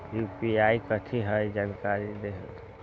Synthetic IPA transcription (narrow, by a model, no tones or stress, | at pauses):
jupiaikət̪ʰiɦəid͡ʒaːnkaɾid̪eɦ